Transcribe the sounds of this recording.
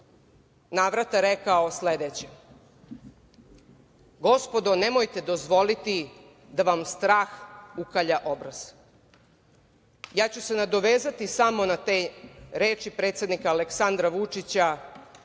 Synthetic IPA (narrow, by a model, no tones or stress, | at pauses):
naːʋɾat̪aɾekaosled̪et͡ɕa | ɡo̞spo̞d̪o̞nemojt̪ed̪o̞zʋo̞lit̪i | d̪aʋamst̪ɾaːxukaʎaʔo̞bɾaz̥ | jaːt͡ɕuse̞nad̪o̞ʋeːzat̪isamo̞nat̪eɾeːt͡ʃipɾe̞ːt̪sje̞d̪nikaːleksand̪ɾaʋut͡ʂit͡ɕa